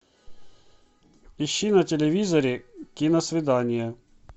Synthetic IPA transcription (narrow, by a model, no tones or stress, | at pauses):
iɕːinɐtʲelʲevʲizɐɾʲɪkʲinɐsvʲɪd̪anʲɪjɐ